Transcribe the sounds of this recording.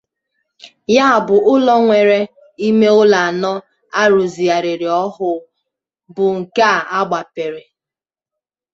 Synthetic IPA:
ja˦a˨bʊ˨ʔʊ˦lɔ˦ŋʷe˨ɾe˨ | i˦me˦ʊ˦la˨a˨nɔ˦ | a˦ɾu˨zi˨a˨ɾɪ˨ɾɪ˨ɔ˦ɦʊ˨ | bʊ˨ŋ̩˨ka˦˨a˦ɡ͡ba˨pe˨ɾe˨

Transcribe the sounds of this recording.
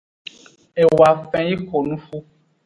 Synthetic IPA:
e˨wa˨fɛ̃˨ji˦ko˨nũ˦fu˦

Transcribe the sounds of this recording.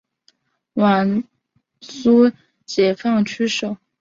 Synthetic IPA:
wa˨˧˩n | su˥ | t͡ɕjɛ˨˩fɑ˥˩ŋt͡ɕʰy˥ʂo˨˩˦ʊ

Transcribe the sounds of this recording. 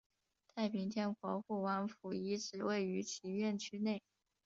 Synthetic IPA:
t̪ʰa˥˩ɪpi˧˥ŋt̪ʰjɛ˥nkwɔ˧˥xu˥˩wa˧˥nfu˨˩i˧˥ʈ͡ʂʰɹɻ̩˨˩we˥˩ɪy˧˥t͡ɕʰi˧˥ɥɛ˥˩nt͡ɕʰy˥ne˥˩ɪ

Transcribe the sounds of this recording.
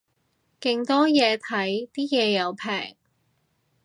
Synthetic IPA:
kɪ˧ŋt̪ɔː˥jɛː˨˧t̪ʰɐ˨˥jt̪iː˥jɛː˨˧jɐ˨˧wpʰɛ̰ː˨˩ŋ

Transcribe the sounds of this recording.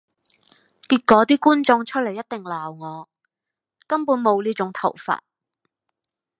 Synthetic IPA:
kiː˧t̚kɔː˨˥t̪iː˥kuː˥nt͡sɔ˧ŋt͡ʃʰɵ˥le˨˩jɐ˥t̚t̪ɪ˨ŋlaː˨˩wŋɔː˨˧ | kɐ˥mpuː˨˥nmo˨˧wliː˥t͡ʃʊ˨˥ŋt̪ʰɐ˨˩wfa̰ː˧˩t̚

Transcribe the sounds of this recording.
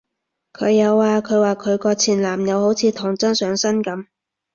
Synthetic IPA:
kʰɵ˨˧ɥjɐ˨˧wːaː˨kʰɵ˨˧ɥwaː˨kʰɵ˨˧ɥkɔː˧t͡sʰiː˨˩nlaː˨˩mjɐ˨˧who˨˥wt͡sʰiː˨˧t̪ʰʊ˨˩ŋt͡sɐ˥nsœː˨˧ŋsɐ˥nkɐ˨˥m

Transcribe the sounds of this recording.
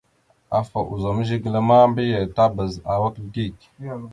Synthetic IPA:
a˨fa˨ʔṵ˨za˨mə˦ʒi˦ɡla˦ma˦mbi˦jə˨ta˦bə˨za˨wa˦kɡi˦˨k

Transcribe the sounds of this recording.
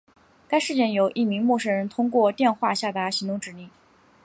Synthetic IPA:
ka˥ɪʂɻ̩˥˧t͡ɕjɛ˥˩njo˨˩ʊʔi˥˩mi˧˥ŋmwɔ˥˩ʂɻ̩˥˩ɻə˧˥nt̪ʰʊ˥ŋkwɔ˥˧t̪jɛ˥˧nxwa˥˧ɕja˥˩t̪a˧˥ɕi˧˥ŋt̪ʊ˧˥ŋʈ͡ʂɻ̩˨˩ni˥˩ŋ

